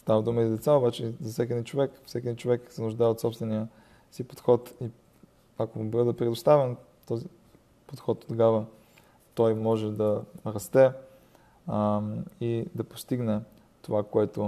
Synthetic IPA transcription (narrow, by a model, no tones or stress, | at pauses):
st̪avəd̪uməizɐd̪ɛt̪saobat͡ʃɛzɐsʲɛk̬ʲiɛd̪int͡ʃovɛksʲɛkiɛd̪int͡ʃovɛksɛnʊʒd̪aɛot̪sɔpst̪vɛnijə | sipo̥t̪xɔt̪i | akobəd̪əpɾɛd̪ʊst̪avɛn | t̪ɔzi | pot̪xɔt̪̚ːt̪oɡavə | t̪ɔjmɔʒɛd̪ɐɾɐst̪ɛ | id̪ɐpo̥st̪iɡnɛ | t̪ovakoɛt̪o